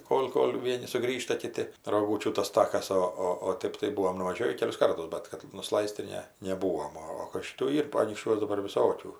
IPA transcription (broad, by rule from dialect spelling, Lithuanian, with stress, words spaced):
ˈkoːlʲ ˈkoːlʲ ˈʋʲiɛnʲɪ sʊˈɡrʲiːʃtɐ ˈkʲɪtʲɪ roːˈɡuːt͡ʃʲuː tɐs ˈtɑːkɐs ˈoː ˈoː oː ˈtɜp tɐɪ ˈbʊʋoːm nʊʋɐˈʒʲoːʋʲiː ˈkʲæːlʲʊs ˈkɐrtʊs ˈbʲɛt kɐt nʊˈslˠɐɪsʲtʲ tɐɪ ˈnʲɛ nʲɛˈbuːoːm ˈoː oː kɐt ˈʃʲɪtuː ˈiːr ɐnʲiːkʃʲˈt͡ʃʲuɔs dɐˈbɐr ʋʲɪˈsoːkʲuː